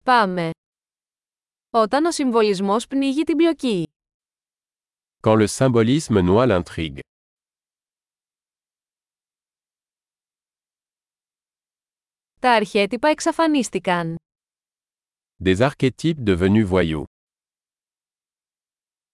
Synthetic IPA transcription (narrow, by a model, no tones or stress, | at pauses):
pɐme̞ | o̞t̪ɐno̞siɱvo̞lizmo̞spniʝit̪iblo̞ci | kɑ̃ləsɛ̃bɔlizmənwalɛ̃t̪χiɡ | t̪ɐːɾçe̞t̪ipɐeksɐfɐnist̪ikɐn | d̪ezaʁket̪ʰip̚d̪əvənyvwajṵ